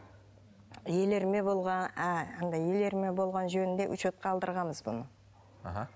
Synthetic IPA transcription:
je̞le̞ɾme̞bo̞lˠʁɑæɑnd̪ɑje̞le̞ɾme̞bo̞lˠʁɑnʒɵnɪnd̪eʔʊ̰ʃot̪̚qɑːlˠd̪əɾʁɑməzbʊ̰nə | a̰ɦɑ

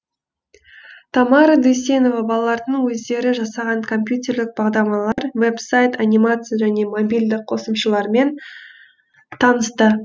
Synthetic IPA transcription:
t̪ʰɑmɑɾɑd̪ujs̬ʲe̞no̞vɑbɑlˠɑlˠɑɾd̪əɴwɵzd̪e̞ɾɪʒɑsɑʁɑɴkʰo̞mpjut̪ʲe̞ɾlɪk̚bɑʁd̪ɑɾmɑlˠɑɾve̞psajt̪ʰanʲijmat̪sɨjaʒæne̞mo̞bʲijld̪ɪq̚qʰo̞səmʃəlˠɑɾme̞n | t̪ʰɑnəst̪ə

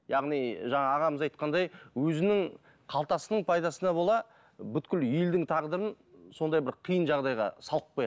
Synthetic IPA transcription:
jɑʁnijʒɑɴɑːʁɑməzɑjt̪qɑnd̪ɑjwɵzɪnɪŋ | qʰɑlˠt̪ɑsənəɴpʰɑjd̪ɑsənɑbo̞lˠɑ | bʏt̪kʲɪljeld̪ɪŋt̪ʰɑʁd̪əɾən | so̞nd̪ɑjbɪɾqʰijənʒɑʁd̪ɑjʁɑ̰sɑlˠəq̚ːojɑ

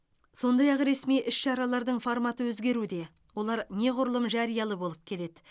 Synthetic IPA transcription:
so̞nd̪ɑjɑqɾe̞smijʔɪʃʃɑɾɑlˠɑɾd̪əɴfoɾmɑt̪əwɵzɡʲe̞ɾud̪e̞ | wo̞lˠɑɾne̞qʰʊɾəlˠəmʒɑɾijɑlˠəbo̞lˠəp̚kʲʰe̞le̞d̪ɪ

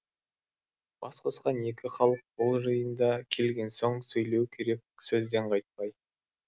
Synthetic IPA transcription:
b̥ɑsqʰosqɑne̞kʲɪχɑlˠəq̚bolˠʒəjənd̪ɑkʲʰe̞lɡʲe̞nso̞ɴsɵjle̞wkʲʰe̞ɾe̞k̚ʲsɵzd̪e̞ɴqʰɑjt̪̚pɑj

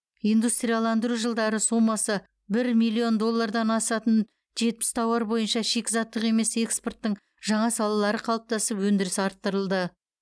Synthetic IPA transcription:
ijnd̪ust̪ɾijɑlˠɑnd̪əɾuʒəlˠd̪ɑɾəsumɑsə | bɪɾmijlʲːio̞nd̪o̞lˠːɑɾd̪ɑnɑsɑt̪ən | ʒe̞t̪̚pɪ̥st̪ʰɑwɑɾbo̞jənʃɑʃe̞kʲɪzɑt̪ːəʁe̞me̞se̞kspo̞rt̪ːəɴ | ʒ̥ɑɴɑsɑlˠɑlˠɑɾəqʰɑlˠəp̚t̪ɑsəpwɵnd̪ɪɾɪsɑɾt̪ːəɾəlˠd̪ə

